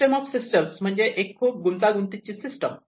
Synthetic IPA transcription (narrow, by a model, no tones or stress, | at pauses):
ʈemɔbsisʈəmsmə̃ɲd͡ʑeʔekʰːub̚ɡunt̪aɡunt̪it͡ʃʰisisʈɔm